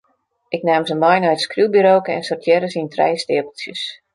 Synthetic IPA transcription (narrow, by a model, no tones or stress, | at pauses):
ʔɪknaːmzəmɔjnɔjtskrylbiɾoːkəɛ̰nsortʰjɛɾəsintrɛ̰jstɪəpəl̩ˠsjəs